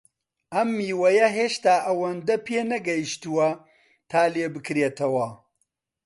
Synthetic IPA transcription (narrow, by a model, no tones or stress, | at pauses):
ʔɐmːiːwɐjɐɦeːʃt̪aːʔɐwɐnd̪ɐpʰeːnɐɡɐjiʃt̪uwɐ | t̪ʰaːleːbɨkɾeːt̪ʰɐwɐ